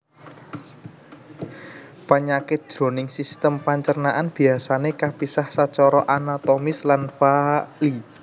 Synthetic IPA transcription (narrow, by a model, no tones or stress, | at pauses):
paɲakɪt̪̚ʒ̥ɾo̤nɪŋsist̪əmpaɲt͡ʃərnaʔanb̥i̤asanekapisahsat͡ʃɔɾɔʔanat̪omɪslanfali